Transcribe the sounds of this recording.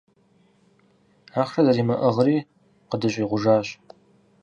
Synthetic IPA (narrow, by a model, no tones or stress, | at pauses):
aːχʂɐzɐɾiːmɐʔɐʁɾiː | qədɨɕʼiːʁʷʊʒaːɕʼ